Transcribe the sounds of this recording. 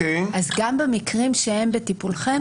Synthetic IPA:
eʔazɡambemikʁimʃehe̞mbetipulχe̞m

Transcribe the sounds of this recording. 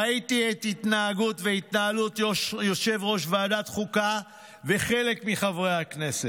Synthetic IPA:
aitiet̪itnaːɡutve̞it̪naalutʃjo̞ʃe̞vʁo̞ʃvaːdat̪χuka | veχe̞le̞kmiχavʁejhakne̞set

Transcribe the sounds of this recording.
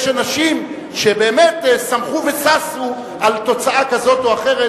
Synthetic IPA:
ʃanaʃim | ʃe̞be̞ːmetsamχuvesasu | alt̪o̞t͡saʔakazo̞toaχeʁe

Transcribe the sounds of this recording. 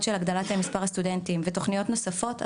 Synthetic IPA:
tʃelaɡd̪alathemispaʁast̪udentimvet̪o̞χnijo̞tno̞safo̞t

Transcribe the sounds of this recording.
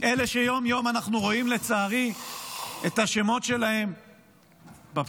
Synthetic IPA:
ʔeleʃejo̞mjo̞manaχnuʁo̞imle̞t͡saːʁi | et̪aʃe̞mo̞tʃe̞lahe̞m | ba

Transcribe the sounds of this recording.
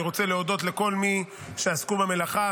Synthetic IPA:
iʁo̞t͡seleo̞d̪o̞t̪le̞ko̞lmi | ʃeaskubeme̞laχa

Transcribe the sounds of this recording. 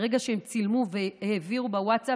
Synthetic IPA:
ʁeɡaʃehemt͡silmuveeheviʁubawatsa

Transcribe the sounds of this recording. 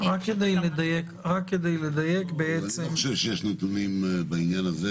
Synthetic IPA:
ʁakːed̪ejled̪ajekʁakːed̪ejled̪ajekbeet͡semʃɛvʃejɛʃnet̪unimbɐinjanaze

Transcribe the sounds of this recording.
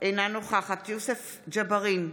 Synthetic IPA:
ʔenanoχaχat̪josef | d͡ʒabaʁin

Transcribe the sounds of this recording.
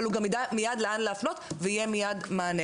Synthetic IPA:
luɡamid̪amijad̪leʔanleafno̞t̪veijemijadmaːne

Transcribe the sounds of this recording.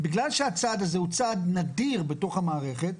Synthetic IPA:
biɡlalʃeat͡sad̪azeut͡sad̪nad̪iʁbeto̞χhamaːʁeχe̞t̪

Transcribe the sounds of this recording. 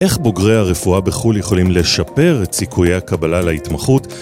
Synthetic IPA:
ʔe̞χboɡʁejaʁefuabeχuljeχo̞limle̞ʃape̞ʁetsikʰujejhakabalalaitmaχut

